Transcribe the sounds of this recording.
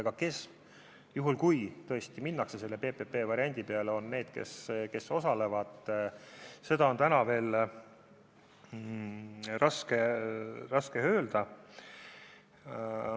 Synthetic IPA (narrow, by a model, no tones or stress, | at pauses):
eɡ̥ɑke̞s | juɦulkujt̪ɤ̞est̪iminːɑkse̞se̞lːe̞pe̞ːpepːe̞ːvɑɾiɑnʲd̪̥ʲipeɑleo̞nːe̞ːd̪̥ke̞̰ske̞so̞sɑle̞vɑd̪̥ | se̞d̪̥ɑo̞nt̪ænɑve̞ːl | rɑskeɾɑskehø̞ːld̪̥ɑ